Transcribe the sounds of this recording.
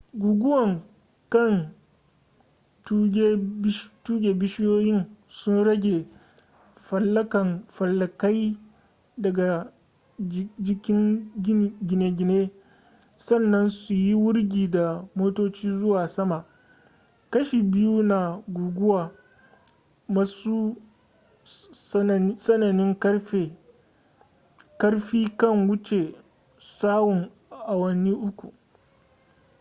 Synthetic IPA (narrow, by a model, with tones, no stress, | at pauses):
ɡʷuː˨ɡʷʊ˦wɐ˨ŋ | kɐ˦˨n | tːɡʲe˦ʃtuː˦ɡʲeː˨bɪ˦ʃɪ˦joː˦jɪ˦n | sʊ˦nɽɐ˦ɡʲe˨ | fɐ˨lːɐ˦kɐ˨nɸɐ˨lːɐ˨ka˦j | dɐ˨ɡa˨ | d͡ʒɪ˦kʲɪ˦ŋ˦ | ɡʲɪ˨ne˨ɡʲɪ˨neː˦ | sɐ˦˨nːɐ˦nsu˨ji˦wʊ˦ɽɡʲiː˨da˨moː˦toː˦t͡ʃiː˦zʊ˦waː˨sɐ˦ma˨ʔ | kɐ˦ʃiː˨bɪ˦ju˦na˨ɡʷuː˨ɡʷʊ˦waː˨ | wɐ˦su˦˨ | sɐ˦nɐ˨nɪ˦ŋke˨ | kɐ˦ɽɸiː˦kɐ˦˨ŋwʊ˦t͡ʃe˨ | saː˦wʊ˨ŋ | ʔa˨wɐ˦ni˦ʔʊ˦kʷu˨ʔ